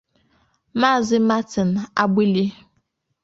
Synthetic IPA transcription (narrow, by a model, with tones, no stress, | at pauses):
ma˦˨zɪ˦ma˦tɪ˨n̩˨a˦bi˦li˦